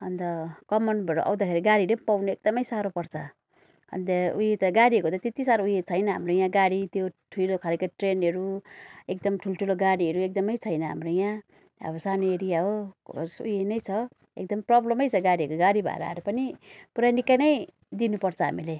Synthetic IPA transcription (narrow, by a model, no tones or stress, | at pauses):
ʌnt̪ʌkʌmʌnbʱʌɾo̰ʔa̰w̃d̪akʰeɾiɡaɽilepawnuek̚d̪ʌmʌjsaɾopʌrt͡sʰʌ | ʌ̰nt̪ʌujet̪ʌɡaɽiɦʌkot̪ʌt̪et̪isaɾoujet͡sʰʌjnʌɦa̰mrojãɡaɽit̪joʈʰujlokʰalekaʈrenʌɾuek̚d̪ʌmʈʰulʈʰuloɡaɽiɦʌɾuek̚d̪ʌmʌjt͡sʰʌjnʌɦa̰mrojã | ʌ̰bʌsanoeɾijaɦosṵjenʌjt͡sʰʌ | ḛk̚d̪ʌmprʌblʌmʌjt͡sʰʌɡaɽiɦʌkoɡaɽibʱʌ̰ḛɾa̰a̰ɾupʌnipuɾanikːanʌj | d̪inupʌrt͡sʰʌɦa̰mile